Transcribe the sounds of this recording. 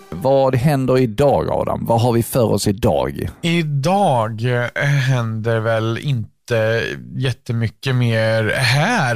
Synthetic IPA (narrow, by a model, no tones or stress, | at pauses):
vɑːd̪ɦɛnd̪əɾɪd̪ɑːɡɑ̰vd̪ɔ̰mvaɦaɾvɪfœːɾɔ̰sɪd̪ɑ̰ːɡɪd̪ɑːɡɦɛnd̪əɾvɛlɪ̰nt̪əjɛt̪ːəmʏkːəmeːɾhæːɾ